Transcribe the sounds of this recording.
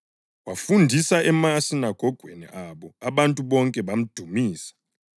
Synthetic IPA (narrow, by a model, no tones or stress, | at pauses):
wafundʱisaʔɛmasinaɡ̥ʱɔɡ̥ʱwenḭʔaɓɔaɓantʼuɓɔŋkʼɛɓam̩d̥ʱumiːsḁ